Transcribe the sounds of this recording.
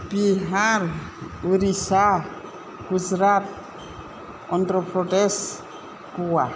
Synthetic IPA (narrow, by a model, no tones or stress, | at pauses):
b̥iɦaɾuɾisa | ɡ̥uzɾat̚ | ɔndɾɔpɾɔdɛs | kua